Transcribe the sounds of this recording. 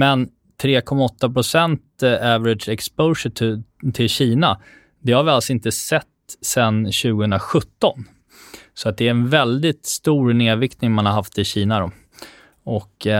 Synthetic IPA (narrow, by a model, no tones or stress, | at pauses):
mɛn | t̪ʰɾeːkʰɔmːaɔt̪ːapɾʊsɛnt̪ævɾɪd̪ʂɛkspəʂəʈt̪ʰɪlɕiːna | d̪ɛhaɾvɪalsɔɪnt̪əsɛt̪ːsɛnɕʉ̟ːɡəhɵnd̪ɾaɧɵt̪ːɔn | sɔat̪̚d̪ɛæɾɛnvɛld̪ɪt̪st̪uːɾneːvɪkt̪nɪŋmanhaɾɦaft̪ɪɕiːnaɾɔ | ɔk